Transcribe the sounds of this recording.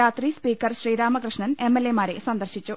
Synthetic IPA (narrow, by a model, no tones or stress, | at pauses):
aːt̪rispiːkːɐrɕriːɾaːmɐkrɨʂɳɐne̞mːelːemaːɾe̞̰sɐnd̪ɐrɕit͡ɕːu